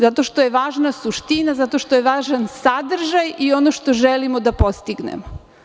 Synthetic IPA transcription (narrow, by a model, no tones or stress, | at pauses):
zat̪o̞ʃt̪o̞jeʋaːʒnasuʃt̪inazat̪o̞ʃt̪ojeʋaːʒansad̪r̩ʒajio̞noʃt̪o̞ʒelimod̪apo̞st̪iɡnḛmo